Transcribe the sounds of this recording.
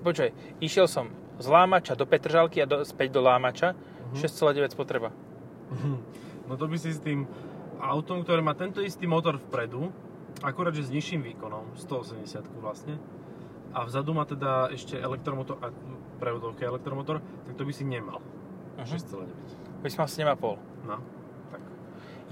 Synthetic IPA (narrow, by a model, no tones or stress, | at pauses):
pɔt͡ʃʋɛj | iʃɪɛlsɔm | zlaːmat͡ʃad̪ɔpɛt̪r̩ʒalkiad̪ɔspɛɟd̪ɔlaːmat͡ʃa | ʃɛst͡sɛlaːɟɛʋɛcspɔt̪ɾɛba | ɦ̩ | nɔt̪ɔbisist̪iːm | aʊt̪ɔmkt̪ɔɾɛːmaːt̪ɛnt̪ɔist̪iːmɔt̪ɔɾfpɾɛd̪u | akuɾaːd̪ʒɛzɲiʃiːmʋiːkɔnɔmst̪ɔɔsɛmɟɛsɪat̪kuʋlasɲɛ | ʔavzad̪umaːt̪ɛd̪aɛʃcɛʔɛ̰lɛk̚t̪ɾɔmɔt̪ɔɾʔa | pɾɛɔd̪ɔʊkɛɛlɛkt̪ɾɔmɔt̪ɔɾ | t̪ak̚t̪ɔbisiɲɛma̰l̩ | ɦʃɛst͡sɛla̰ːɟɛʋɛc̪ | bisimalsɛɲɛmapɔl | na | t̪ak